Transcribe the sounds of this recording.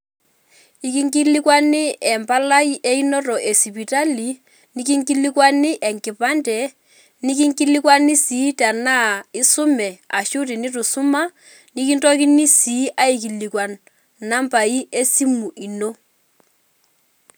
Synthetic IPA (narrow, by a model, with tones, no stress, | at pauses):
i˨ki˦ŋki˦li˦kwa˦nɪ˦ɛ˨mpa˦la˦i˦ʔe˦i˦no˦tɔ˨ʔe˨si˨pi˨ta˦li˨ | ni˦k̬i˦ŋki˦li˦kwa˦nɪ˦ʔɛ˨ŋkɪ˨pa˦ndɛ˨ | ni˦k̬i˦ŋki˦li˦k̬wa˦ni˦si˨˦ta˨na˦˨ɪ˦sʊ˦mɛ˨a˨ʃu˦ti˨ni˦tu˨su˦ma˦ | ni˦k̬i˦ntɔ˦ki˦ni˦si˨˦ʔa˦i˨k̬i˨li˨kwa˨n | na˦mpa˨i˦e˦si˦mu˨ʔi˨no˦